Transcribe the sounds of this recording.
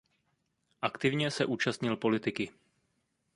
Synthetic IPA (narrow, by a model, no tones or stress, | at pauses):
ʔakt̪ɪvɲɛsɛʔuːt͡ʃast̪ɲɪlpo̞lɪt̪ɪkɪ